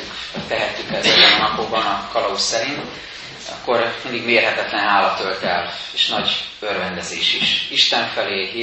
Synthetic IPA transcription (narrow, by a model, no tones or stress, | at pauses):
hoct̪ɛɦɛt̪ːykɛzɛzɛnɒnɒpoɡ̚bɒnɒkɒlɒusːɛɾint̪ | ɒ̰kːo̞ɾmind̪iɡmeːrɦɛt̪ɛt̪lɛnɦaːlɒt̪ø̞lt̪ɛleːʃnɒɟørvɛnd̪ɛzeːʃiʃiʃt̪ɛɱfɛleː